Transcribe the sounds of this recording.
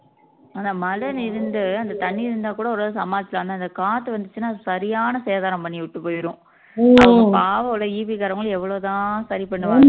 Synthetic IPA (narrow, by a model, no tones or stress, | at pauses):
aːnaːmɐlɐnɪɾɯnd̪ɯɐnd̪ɐt̪ɐɳːiɪɾɯnd̪aːkuːɽɐʋɾoːðɯsɐmaːðt͡ʃːɪlaːnːaːɪnd̪ɐkaːt̪ːɯʋɐnd̪ɯt͡ʃːɯnːaːðsɐɾɪjaːnɐseːðaːɾɐ̃mpɐɳːiʋʊʈːɯpoːjɪɾʊ̃ | ɐɐɡɐpaːʋɐɭɐiːʋikaːɾɐʋɐŋɡɐɭɛʋːɐɭoːt̪ãːsɐɾipɐɳːɯʋaɾ